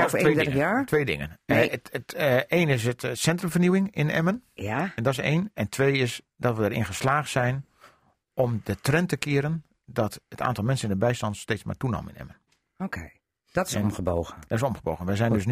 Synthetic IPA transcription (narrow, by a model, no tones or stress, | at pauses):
ejaːɹtʰʋeːjdɪ̰ŋə̰nəteːnɪs̬ətsɛntrəmvərniwɪŋɪnɛ̰mənjaɛndɔɪsḛːnɛntʰʋeːɪs | dɔtʋədəɾɪ̰nɣəslaːxtsɛjn | ʔɔmdətrɛntəkɪəɾən | dɔtətʰa̰ːntɔlˠmɛnsənɪndəbɛjstɑntsteːt͡ssma̰tunɔ̰məɪ̰nɛ̰mən | okʰej | d̥ɔtɪməbowɣəd̥ɔtɪsomχəbo̰ːɣənʋɛjzɛjndøsn